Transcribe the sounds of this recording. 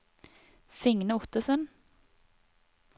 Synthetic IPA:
sɪŋnəʊt̪əsən

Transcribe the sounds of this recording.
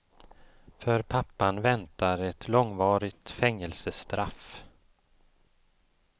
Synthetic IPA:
fœɾpʰapːanvɛnt̪aɾɛt̪ʰlɔŋvɑːɾɪɡt̪fɛŋːɛlsəst̪ɾaf

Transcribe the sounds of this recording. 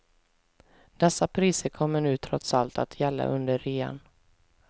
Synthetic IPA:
d̪̥ɛsːapʰɾiːsəɾkʰɔmːəɳʉ̟ːt̪ʰɾɔt̪salt̪at̪ʰjɛlːa̰ʔɵnd̪əɾːeːa̰n

